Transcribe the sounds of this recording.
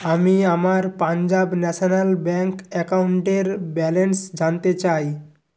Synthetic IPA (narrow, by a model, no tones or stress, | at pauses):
amiamaɾpand͡ʒabnɛsʰɔnalbɛŋkɛkauɳʈeɾbɛlensd͡ʒant̪et͡ɕaj